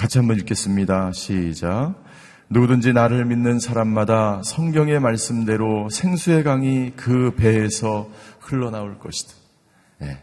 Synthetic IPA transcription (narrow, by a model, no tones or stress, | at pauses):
kat͡ɕʰiɦambʌniɭk͈e̞s͈ɯmɲidaɕʰid͡ʑa | nuɡdɯnd͡ʑinaɾɯɭminːɯnsʰaɾamːadasʰʌŋɡjʌŋe̞maɭs͈ɯmde̞ɾosʰe̞ŋsʰue̞ɡaŋikɯpe̞ːsʰʌhɯɭːʌnaoɭk͈ʌɕʰi̥d̥ḁ | jḛ